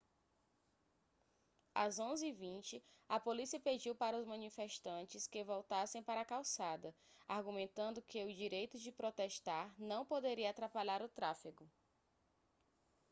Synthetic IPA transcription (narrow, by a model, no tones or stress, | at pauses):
a̰zõzɪivĩnt͡ʃɪɐpolisiɐped͡ʒiwpaɾɐʊzmɐ̃nifeʃt̪ɐ̃nt͡ʃɪskɪvɔwt̪asẽj̃paɾɐakawsad̪ɐahɡumẽnt̪ɐ̃nd̪ʊkɪʊd͡ʒiɾejt̪ʊd͡ʒɪpɾot̪ɛʃt̪aɾnɐ̃w̃pod̪eɾiɐaːt̪ɾapaʎaɾʊt̪ɾafiɡʊ